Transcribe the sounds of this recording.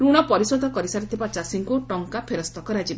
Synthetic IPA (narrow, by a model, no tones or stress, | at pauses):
ɾuɽ̃ɔpɔɾisɔd̪ʱɔkɔɾisaɾit̪ʰibat͡ʃasiŋkuʈɔŋkapʰeɾɔst̪ɔkɔɾad͡ʒib